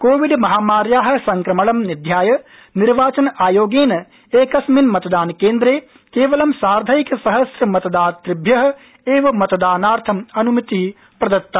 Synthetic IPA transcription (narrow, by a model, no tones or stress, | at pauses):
koːʋiɖmɐɦaːmaːɾjaːɦɐ̆sɐŋkɾɐmɐɭɐmnid̪ʱjaːjɐ | niɾʋaːt͡ʃɐnaːjoːɡeːnɐ | eːkɐsminmɐt̪ɐd̪aːnkeːnd̪ɾeː | keːʋɐlɐmsaːɾd̪ʱɐjikɐsɐɦɐsɾɐmɐt̪ɐd̪aːt̪ɾibʱjɐɦɐ̆ | eːʋɐmɐt̪ɐd̪aːnaːɾt̪ʰɐmɐnumɐt̪i | pɾɐd̪ɐt̪ːɐ